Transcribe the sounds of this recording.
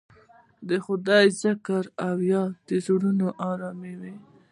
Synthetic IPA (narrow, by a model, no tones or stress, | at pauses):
d̪əxʊd̪ɑjzɪkaɾawjɑd̪̥əzuɽunoʔɑɾɑmewe